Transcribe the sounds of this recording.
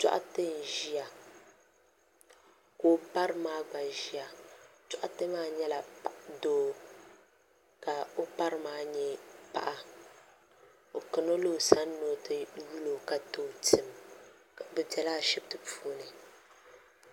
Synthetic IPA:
tɔ̰˦ʔa̰˦tɨ˦n˨ʒi˦a˨ | ko˨pa˦ɾɨ˦maː˦ɡ͡ba˨ʒi˦a˨ta˦ʔa˦tɨ˦maː˦ɲɛ˦la˨pdoː˦ | ka˨o˦pa˦ɾɨ˦maː˦ɲɛ˦pa̰˦˨ʔa˦ | o˨kɨ˨no˦lo˦˨sa˦nːo˨tɨ˦ju˦lo˨ka˨to˦tʰɨ˨m | bɛ˨bɛ˨laː˦ʃɪ˦b̚tɨ˨puː˦nɨ˨

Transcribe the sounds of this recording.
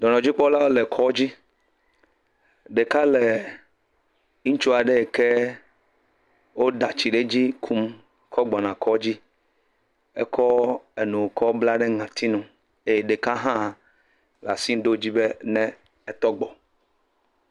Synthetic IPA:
dɔ˨nɔ̃˨d͡ʑi˦k͡pɔ˦la˦o˦le˨kʰɔ˦d͡ʑi˦ | ɖe˨ka˦le˨ | ŋĩ˦t͡ʃu˦a˨ɖe˦e˨ke˦ | wo˦ɖa˨t͡ɕi˨ɖe˦d͡ʑi˦kʰu˦m | kʰɔ˦ɡ͡bɔ˨nã˨kɔ˦d͡ʑi˦ | e˦kʰɔ˦e˨nũ˨kʰɔ˦bla˦ɖɛ˦ŋã˨t̪ʰi˦nũ˦ | e˨je˨ɖe˨ka˦ɦã˦˨ | la̰˨si˦ɖo˦d͡ʑi˦be˦nɛ̃˦ | ɛ˨t̪ɔ˦ɡ͡bɔ˨

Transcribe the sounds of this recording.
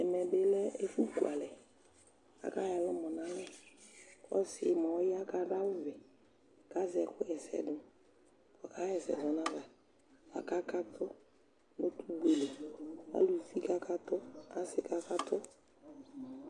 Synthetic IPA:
ɛ˨mɛ˨be˦lɛ˦e˦fu˦ku˨a˨lɛ˨ | a̰˨ka˦ja˨lɔ˦mɔ̃˨nã˦lɛ˦kɔ̰˦sɪ̰˨mɔ̃˨˦ja˦ka˦ɖa˦wʊ˦vɛ˨ | ka˦zɛ˨kʊ˦ɛ˨sɛ̰˨ɖʊ˨ | ɔ˨ka˦jɛ˨sɛ̰˨dɔ˨nã˦va˨ | wa̰˨ka˦ka˦t̪ʰʊ˦ | no˦t̪u˦ɡ͡be˨le˨a̰˨lu˨fi˦ka˦ka˦t̪ʊ˦a˨sɪ˨ka˦ka˦t̪ʰʊ˦

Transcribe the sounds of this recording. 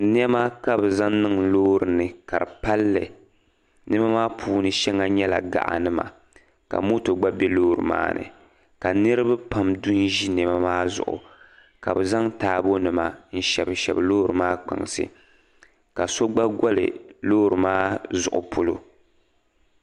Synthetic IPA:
n˦ɛ˦ma˦ka˦˨bɨ˨za˦ŋnɨ˦ŋloː˦ɾɨ˨nɨ˨ka˨ɾɨ˨pa˦lːɨ˨ | nɨ˦ma˦maː˦pʰuː˦nɨ˨ʃɛ˦ŋa˦ɲɛ˦la̰˨ɡa̰˨ʔa̰˨nɨ˦ma̰˨ | ka̰˨mo˦to˨ɡ͡ba˦bɛ˦loː˦˨ɾɨ̰˨ma̰ː˦nɨ̰˨ | ka˨nɨ˦ɾɨ˦ba˦pa˨mdu˦n˦ʒi˦n˨ɛ˨ma˦maː˦zʊ̰˨ʔʊ̰˨ | ka˨bɛ˨za˦ŋtaː˨bo˦nɨ˨ma˨n̩˦ʃɛ˨bʃɛ̰˨bloː˦ɾɨ˨maː˦k͡pa̰˨ŋsɨ̰˨ | ka˨so˦ɡ͡ba˦ɡʷɔ˦lɨ̰˨loː˦ɾɨ˨maː˦zʊ˨ʔʊ˨po˨lo̰˦

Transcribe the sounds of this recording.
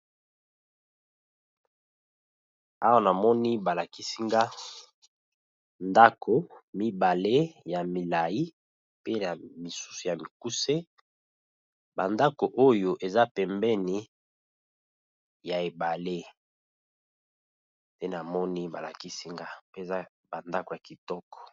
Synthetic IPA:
a˦wa˦na˨mɔ˦ni˦ba˨la˨ki˦si˦ŋɡa˦ | nda˦kʰo˨mi˦ba˨le˦ja˨mi˨la˨ji˦ | pe˦na˨mi˨su̥˦su˨ja˨mi˨ku˦se˦ | ba˨nda˦ko˨ʔo˦jo˨ʔe˨za˦pɛ˨mbɛ˦ni˦ | ja˨e˨ba˨le˦ | de˦na˨mɔ˦ni˦ba˨la̰˨ki˦si˦ŋɡa˦pe˦˨za˦ | ba˨nda˦ko˨ja˨ki˨tɔ˦kɔ̥˨

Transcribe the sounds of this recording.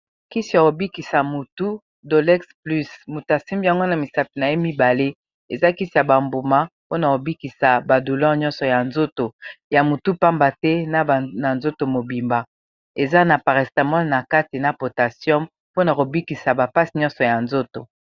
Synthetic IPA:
ki˦si˨a˨ko˨bi˦ki˨sa˨mu˨tu˦ | do˨lɛ˦ksply˦smu˨ta˨si˦mbi˦ja˨ŋɡo˦na˨mi˨sa˦pi˨na˨je˦mi˦ba˨le˦ | e˨za˦ki˦si˨ja˨ba˨mbu˨ma˦po˦na˨ko˨bi˦ki˨sa˨ba˨do˨lɔ˦ʁɲɔ̃˦nsɔ˨ja˨nzo˦to˨ja˨mu˨tu˦pa˦mba˨tɛ˦na˦˨na˨nzo˦to˨mo˨bi˨mba˨ | e˨za˦na˨pa˨ʁɛ˨sta˨mɔ̃˦na˨ka˦ti˨na˨po˨ta˨sjɔ˦m | po˦na˨ko˨bi˦ki˨sa˨ba˨pa˦si˨ɲɔ̃˦nsɔ˨ja˨nzo˦to̰˨

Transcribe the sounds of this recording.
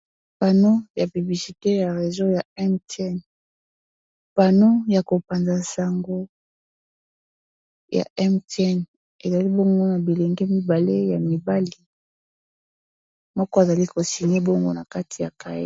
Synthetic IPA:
pa˨no˦ja˨py˨bli˨si˨te˦ja˨ʁe˨zɔ̃˦ja˨ɛ˦mtɛ˦n | pa˨no˦ja˨ko˨pa˨nza˨sa˨ŋɡo˦ | ja̰˨ɛ˦mte˦ɛ˦n | e˨za˨li˦bo˦ŋɡo˦na˨bi˨le˨ŋɡɛ˦mi˨ba˨le˦ja˨mi˨ba˦li˦ | mɔ˦kɔ˦e˨za˨li˦ko˨si˨ɲe˦bo˦ŋɡo˦na˨ka˦ti˨ja˨ka˨ḛ˦

